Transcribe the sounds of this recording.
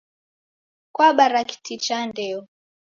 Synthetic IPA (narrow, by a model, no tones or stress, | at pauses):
kwaɓaɾaki̥tʰit͡ʃandɛɔ